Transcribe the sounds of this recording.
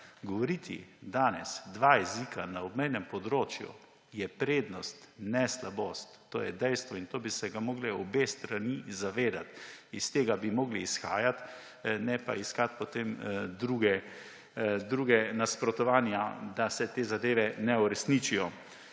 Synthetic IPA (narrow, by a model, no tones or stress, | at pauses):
ɡɔʋɔɾiːt̪ʰḭd̪aːnɛsd̪ʋajɛzikʰanaɔbmɛjnɛmpɔd̪ɾoːt͡ʃjṵ | jɛpɾeːd̪nɔst̪nɛslaboːst̪ːo̰ːjɛ̰d̪ɛjst̪ʋɔint̪oːbisɛɡamɔːɡlɛɔbeːst̪ɾanizaʋeːd̪at̪ist̪eːɡabimɔːɡliːsxa̰ːjat̪ | nɛpa̰iskat̪̚pɔt̪eːmd̪ɾuːɡɛ | d̪ɾuːɡɛnaspɾɔt̪ɔʋaːnjad̪asɛt̪eːzad̪eːʋɛnɛuɾɛsnit͡ʃijɔ